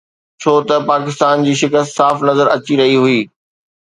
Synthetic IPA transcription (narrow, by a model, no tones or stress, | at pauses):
t͡ɕʰoːt̪ɐpaːkɪst̪aːnd͡ʑiːʃɪkəst̪saːfnɐzəɾɐt͡ɕiɾɐɦiɦuiː